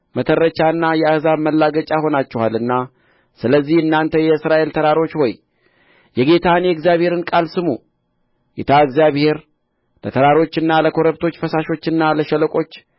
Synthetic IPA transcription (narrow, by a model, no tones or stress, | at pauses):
mət̪ʰəɾːət͡ʃaɨnːajɛahzaməlːaɡət͡ʃʼaho̞nat͡ʃːɛhalɨnːa | sɨləzːihɨnːant̪ʰəjɛɨsɾaʔe̞lt̪ʰəɾaɾo̞t͡ʃːwoj | jɛɡe̞t̪ʰanjɛɨɡzijaβhe̞ɾɨnkʼalsɨmu | ɡet̪ʰaɨɡzjaβhe̞ɾ | lət̪ʰəɾaɾo̞t͡ʃːɨnːaləkʰo̞ɾəβt̪ʰo̞t͡ʃːfəsaʃo̞t͡ʃːɨnːaləʃələkʼo̞t͡ʃː